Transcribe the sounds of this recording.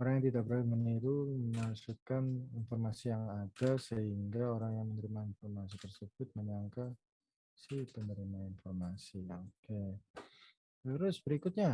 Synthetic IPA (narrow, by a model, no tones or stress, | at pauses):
oɾaŋjaŋt̪idaʔbəɾadaməniɾuməmasukaninfɔrmasijaŋadasəɦiŋɡaoɾaŋjaŋmənəɾimainfɔrmas̬it̪ərsəb̥ʊt̪̚məɲaŋka | sɪht̪ənəɾimainfɔrmasioke | t̪əɾʊsbəɾikʊt̪̚ɲa